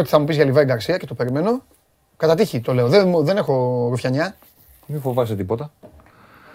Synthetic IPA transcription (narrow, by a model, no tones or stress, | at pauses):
ot̪i̥θɐmupizʝɐlivɐeɡɐɾsiɐce̞t̪ope̞ɾime̞no̞ | kɐt̪ɐt̪içit̪o̞le̞o̞ðemðe̞ne̞xo̞ɾufçɐɲɐ | mifo̞vɐsit̪ipo̞t̪ɐ